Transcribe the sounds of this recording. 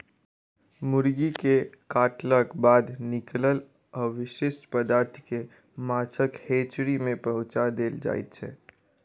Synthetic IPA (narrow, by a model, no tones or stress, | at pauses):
mʊɾɡikekaːʈləkbaːd̪nɪkləl | ɔʋɪʃɪʃʈpəd̪aːɾt̪ʰke | maːt͡ʃʰəkheːt͡ʃɾimẽpɐɦʊ̃t͡ʃad̪eːld͡ʒa̰ːḭt̪t͡ʃʰɛ̰ː